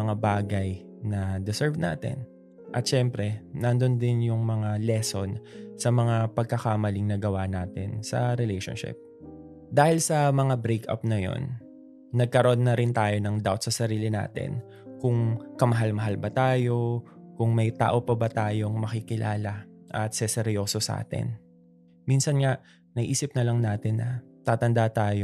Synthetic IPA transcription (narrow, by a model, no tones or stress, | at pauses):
ɐŋabaːɡɐj | nɐd̪ɪsɛɹvna̰ːt̪ɛ̰n | ʔɐt̪ʃɛmpɾɛnɐnd̪o̞nd̪ɪnjʊŋmɐŋalɛso̞nsɐmɐŋapɐɡ̚kɐkamɐlɪŋnɐɡɐwanaːt̪ɪnsɐ̰ɾɛlɛjʃo̰nʃɪ̰p̚ | d̪aːhɪlsɐmɐŋabɾejkɐ̰p̚nɐjo̞̰nː | ɐɡ̚kɐɾoʔo̞nːɐɾɪnt̪aːjo̞nɐŋd̪awt̪̚sɐsɐɾiːlɪna̰ːt̪ɪ̰n | kʊŋkɐmɐɦalmɐɦalbɐt̪aːjo̞ | kʊŋmɐjt̪a̰ːʔo̞pɐbɐt̪aːjo̞ŋmɐkikɪlʔa̰ːlɐʔɐt̪sɛsɛɾjo̞ːsosɐʔa̰ːt̪ɪ̰n | minsɐnŋaʔ | nɐɡʔiːsɪp̚nɐlɐŋnaːt̪ɪnːʔɐ | t̪aːt̪ɐnd̪at̪aːjo